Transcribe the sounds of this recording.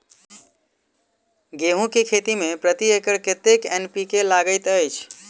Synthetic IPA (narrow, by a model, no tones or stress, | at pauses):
ɡeɦũkekʰet̪imepɾət̪iekəɾket̪ekenpikelaɡəjt̪əjt͡ʃʰ